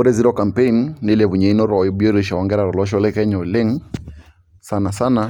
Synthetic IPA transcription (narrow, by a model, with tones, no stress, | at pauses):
o˦ɾɛ˦zi˦ɾɔ˦ka˨mpe˦i˦nːɪ˦lɛ˨βu˨ɲɛ˨i˦nɔ˦ɾɔ˨jɔ˨bjɔ˦ɾe˦ʃa˨ɔ˨ŋɡɛ˦ɾa˨ɾɔ˨lɔ˦ʃ̬ɔ˦lɛ˦kɛ˦ɲɔ˨lɪ˦ŋ | sa˦na˨sa˦na˨